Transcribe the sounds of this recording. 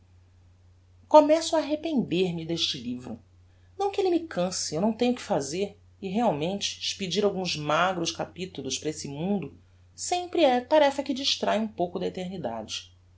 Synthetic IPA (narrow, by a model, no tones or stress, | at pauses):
komɛsʊaːɦepẽnd̪eɾmɪd̪eʃt͡ʃɪlivɾʊ | nɐ̃w̃kʲelɪmɪkʰɐ̃sɪewnɐ̃w̃t̪ẽɲʊkɪ̥fazeɾ | ɪɦeawmẽnt͡ʃɪ̥ʃpid͡ʒiɾawɡũzmaɡɾʊʃkapit̪ulˠʊʃpɾɐesɪmũnd̪ʊ | sẽmpɾɪɛt̪aɾɛfɐkɪd͡ʒiʃt̪ɾajũpowkʊd̪ɐet̪eɾnid̪a̰d͡ʒɪ